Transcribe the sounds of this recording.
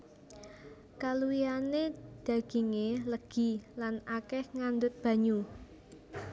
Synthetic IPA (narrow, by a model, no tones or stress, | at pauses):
kaluijaned̪̥ä̤ɡ̥i̤ŋeləɡ̥i̤lanakɛhŋand̪ʊt̪̚b̥ä̤ɲu